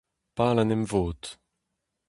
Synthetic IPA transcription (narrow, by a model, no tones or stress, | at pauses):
paːlanɛmvoːt̪